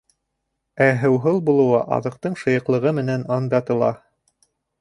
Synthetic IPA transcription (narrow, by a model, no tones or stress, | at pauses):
æɦɘ̆wɦɤlˠbulˠɤ̆wɑʔɑ̰ðɤ̆q̚t̪ɤɴʃɤ̆jɤ̆qlˠɤ̆ʁɤmɘ̆nænɑnd̪ɑt̪ɤ̆lˠɑ̰